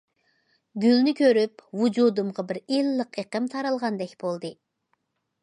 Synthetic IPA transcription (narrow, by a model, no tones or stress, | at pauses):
ɡʲylnɪkʲøɾypwud͡ʒud̪umʁɑbɪɾilːəqeqəmt̪ʰɑɾɑlˠʁɑnd̪ɛkʲb̥olˠd̪ɨ